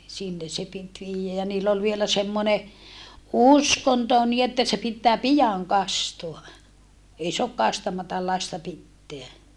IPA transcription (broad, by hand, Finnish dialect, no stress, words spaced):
sinːe se pit ʋiːjːæ jɑ niːlː ol ʋielæ semːone uskonto niː etːæ se pitːæː pijɑŋ kɑstoɑ ei soɑk kɑstɑmɑtɑl lɑstɑ pitːeæ